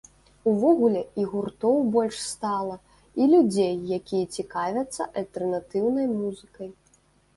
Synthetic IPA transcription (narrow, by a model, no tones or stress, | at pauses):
uvɔɣulʲɛiɣurt̪ɔwbɔlʲʂst̪alˠɐ | ilʲud͡zʲejːakʲijɛt͡sʲikavʲɐt̪sːɐ̰ʔɐlʲt̪ɛrnat̪ɨwnɐjmuzɨkɐj